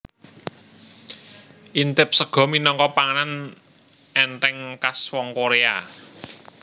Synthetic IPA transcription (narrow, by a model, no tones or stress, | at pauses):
ʔint̪ɪp̚səɡ̥ɔ̤minɔŋkɔpaŋənan | ɛnt̪ɛŋkaswɔŋkoɾea